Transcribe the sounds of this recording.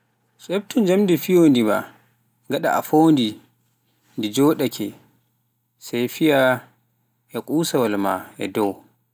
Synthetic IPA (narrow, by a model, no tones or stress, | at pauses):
sɛb̚tʰɔnd͡ʒamdifijoːndima̰ | ŋɡaɗa̰ʔa̰foːndi | ndid͡ʒɔːɗakʰɛ | sajfija | ʔɛkʼuːsawalma̰ɛ̰dɔw